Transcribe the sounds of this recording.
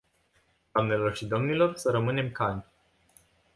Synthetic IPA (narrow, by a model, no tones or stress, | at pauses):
d̪̥amne̞lo̞rʃid̪o̞mnilo̞rsəɾəmɨne̞mkanʲ